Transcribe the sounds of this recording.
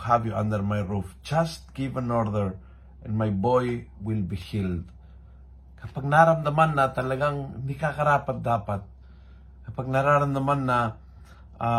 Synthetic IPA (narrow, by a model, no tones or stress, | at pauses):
havjuʔãnd̪ə˞majɹufd͡ʒast̚ɡ̥ivə̃nɔɹðəɹ | ɛ̃nmajbɔjwɪlbihild | kapak̚naɾamd̪amanːat̪alaɡaŋnikakaɾapat̪̚d̪apat̪̚ | kapak̚naɾaɾamd̪amanːa